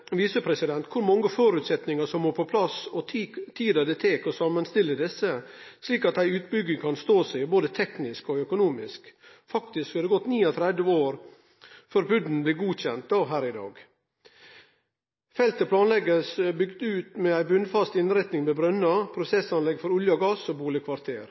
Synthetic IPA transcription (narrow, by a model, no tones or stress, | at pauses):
ʋiːsəpʰɾɛsɪd̪ɛnt̪kʰʊɾmɑŋːəfoːɾʉːt̪sɛt̪nɪŋəʂɔmːoːpʰɔpʰlɑsɔt̪ʰiːd̪əd̪ɛt̪ʰeːkɔsɑmːənst̪ɪlːəd̪ɛsəsliːkɑt̪æɪʉːt̪̚bʏɡəkʰɑnst̪oːsæɪboːd̪ət̪ʰɛknɪskɔœkʊnuːmɪsk | fɑkt̪ɪskhɑd̪ɛɡɔt̪ːniːɔt̪ʰɾɛd̪əoːɾ | fœɾbʉd̪n̩blɪːɡuːçɛnt̪̚d̪ɑːɦæːɾɪd̪ɑ̰ːɡ | fɛlt̪əpʰlɑːnlɛɡəsbʏɡd̪ʉːt̪mɛæɪbʉnfɑst̪ɪnɾæɪt̪nɪŋmɛbɾœnːɑpʰɾʊsɛsɑnlɛɡfɔɾʊljɑɡɑsɔbuːlɪkʰʋɑɾt̪ʰeːɾ